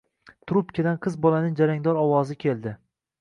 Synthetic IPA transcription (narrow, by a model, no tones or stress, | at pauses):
t̪ʰɾupkʲad̪anqʰɨzbɒlanɪŋd͡ʒaɾaŋd̪ɒɾɒwɒzɪkʲʰelˠd̪ɪ